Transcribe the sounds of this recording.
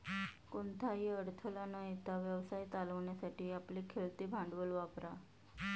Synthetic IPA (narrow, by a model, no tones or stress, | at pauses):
kont̪ʰaɦiəɽt̪ʰəlanajt̪aʋjəʋsajt͡s̪aləʋɳjasaʈiːaplikʰelt̪ibʱãɳɖʋəlʋapɾa